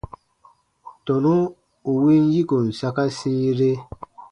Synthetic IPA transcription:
tɔ˨nũ˦ | u˨wi˦n˦ji˦ko˨n̩˨sa˦ka˦sĩ˦ɾe˦

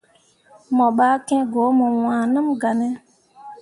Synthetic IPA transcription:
mɔ˨ɓa˦kɛ̃˦ɡo˨˦mə˨wãː˨nə̃˦mɡa˨nɛ˦

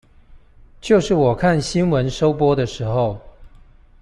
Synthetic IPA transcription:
t͡ɕjo˥˧ʊʂɻ̩˥˩wɔ˨˩kʰa˥˨nɕi˥nwə˧˦nʂo˥ʊpwɔ˥d̪ə˨ʂɻ̩˧˥xo˥˨ʊ

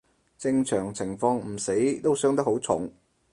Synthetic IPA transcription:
t͡sɪ˧ŋt͡sʰœː˨˩ŋt͡sʰɪ˨˩ŋfɔː˧ŋm̩˨˩se˨˥jt̪o˥wsœː˥ŋt̪ɐ˥kho˨˥wt͡sʰʊ̰˨˥ŋ

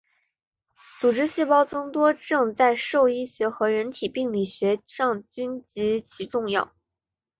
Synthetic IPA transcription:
t͡su˨˩ʈ͡ʂɻ̩˥ɕi˥˩pɑ˥ʊt͡sɤ˥ŋt̪wɔ˥ʈ͡ʂɤ˥˧ŋt͡sa˥˧ɪʂo˥˩ʊi˥ɕɥɛ˧˥xɤ˧˥ɻə˧˥nt̪ʰi˨˩pi˥˧ŋli˥˩ɕɥɛ˧˥ʂɑ˥˩ŋt͡ɕy˥nt͡ɕi˧˥t͡ɕʰi˧˥ʈ͡ʂʊ˥˧ŋjɑ̰˥˩ʊ

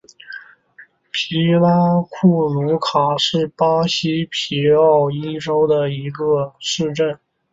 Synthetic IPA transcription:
pʰi˧˥la˥kʰu˥˩lu˧˥kʰa˨˩ʂɻ̩˥˩pa˥ɕi˥pʰi˧˥ɑ˥˩ʊi˥ʈ͡ʂo˥ʊd̪ə˨i˧˥ɡə˧ʂɻ̩˥˧ʈ͡ʂə˥˩n

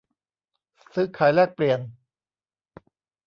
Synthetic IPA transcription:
sɯ˦˥kʰaː˨˦jlɛː˥˩k̚pli˨˧ən

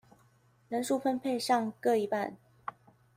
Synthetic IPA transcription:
nə˧˥nʂu˥˩fə˥npʰe˥˧ɪʂɑ˥˧ŋkɤ˥˩i˧˥pa̰˥˩n

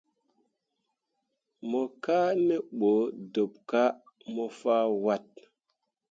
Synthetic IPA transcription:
mo˨ka˦ne˦ɓo˨˦do˨p̚ka˦ | mo˨fa˦wa˦t̚

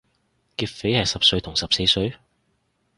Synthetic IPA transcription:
kiː˧t̚fe˨˥jhɐ˨jsɐ˨p̚sɵ˧ɥt̪ʰʊ˨˩ŋsɐ˨p̚se˨˧jsɵ˨˧ɥ

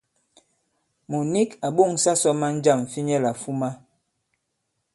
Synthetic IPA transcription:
mu˨ni˦ka˨ɓo˦˨ŋsa˦sɔ˦ma˦n̩˦d͡ʒa˦˨m˨fi˦ɲɛ˦la˨fu˦ma˦

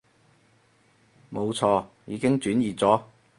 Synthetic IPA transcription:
mo˨˧wt͡sʰɔː˧jiː˨˧˥kɪ˥ŋt͡ʃyː˨˥njiː˨˩t͡sɔː˨˥

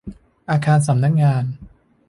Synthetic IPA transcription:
ʔaː˧kʰaː˧ns̬a˩˦mna˦˥k̚ŋaː˧n

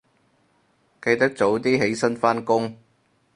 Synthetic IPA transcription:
kɐ˧jt̪ɐ˥k̚t͡so˨˥wt̪iː˥ɦe˨˥jsɐ˥nfaː˥nkʊ˥ŋ

